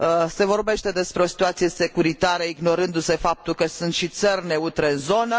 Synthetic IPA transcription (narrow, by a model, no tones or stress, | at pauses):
se̞vo̞rbe̞ʃt̪e̞d̪e̞spɾeo̞si̥t̪uat̪sije̞se̞kuɾit̪aɾəiɡno̞ɾɨnd̪use̞fap̚t̪ulkəsunt̪ʃit̪sərʲne̞ut̪ɾeɨnzo̞nə